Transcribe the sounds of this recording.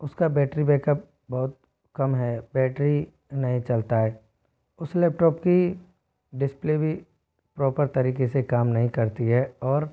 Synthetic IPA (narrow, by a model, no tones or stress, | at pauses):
ʊskabɛːʈɾibɛːkəp̚ | bɔɦʊt̪̚ | kɐmɦɛːbɛːʈɾi | nɐɦĩt͡ʃɐlt̪aɦɛː | ʊslɛːp̚ʈɔːpki | ɖɪsplebʱi | pɾɔːpəɾt̪ɐɾiːkesekaːmnɐɦĩkɐɾt̪iɦɛɔːɾ